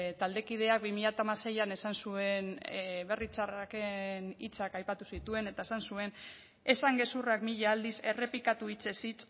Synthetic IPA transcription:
t̪ald̪e̞kið̞e̞ak̚bimiʎat̪amase̞jane̞sansue̞nβe̞rit͡sarakenit͡sakajpat̪usit̪ue̞ne̞t̪ae̞sansue̞n | e̞saŋɡe̞surakmiʎaːld̪ise̞re̞pikat̪uit͡se̞sit͡s

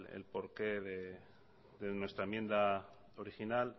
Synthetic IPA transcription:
lḛlpo̞ɾke̞ðe | ðenwe̞st̪ɾamje̞nd̪a | oɾixinal

